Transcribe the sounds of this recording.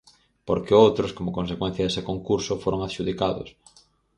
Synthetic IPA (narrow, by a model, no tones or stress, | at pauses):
poɾkɪowt̪ɾoskomokons̬ekwẽn̟θjɐðesɪkoŋkuɾsofoɾoŋaðʃuðikaðo̰s